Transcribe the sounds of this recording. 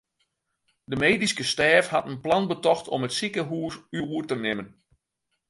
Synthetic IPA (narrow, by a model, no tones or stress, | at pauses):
dəmeːdiskəstɛːfhatənplɑnbətɔxtʰɔ̰mətsikəɦuːsyuːrtənɪmən